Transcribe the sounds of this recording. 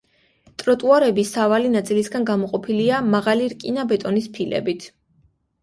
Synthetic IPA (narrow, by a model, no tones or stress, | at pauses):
t̪ʼɾɔt̪ʼuaɾɛbisavalinat̪sʼilisɡanɡamɔqʼɔpʰiliamaʁaliɾkʼinabɛt̪ʼɔnispʰilɛ̰bit̪ʰ